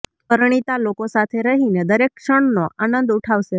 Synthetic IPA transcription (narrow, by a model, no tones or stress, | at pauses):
pəɾɳ̃it̪alokosat̪ʰeɾəɦined̪əɾekʃəɳnoʔanənd̪uʈʰaʋʃe